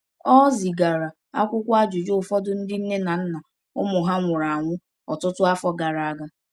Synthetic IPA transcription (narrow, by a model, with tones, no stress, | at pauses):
ɔ˦zi˨ɡa˨ɾa˨ | a̰˦kʷʊ˦kʷa˦d͡ʒʊ˨d͡ʒo˦˨fɔ˦dʊ˦n̩˦dɪ˦n̩˦ne˦na˨n̩˦na˨ | ʊ̰˦mʊ˨ɦa˦ŋʷʊ˨ɾa˨a˨ŋʷʊ˦ | ɔ˨tʊ˦tʊ˦a˦fɔ˦ɡa˨ɾa˨a˨ɡa˦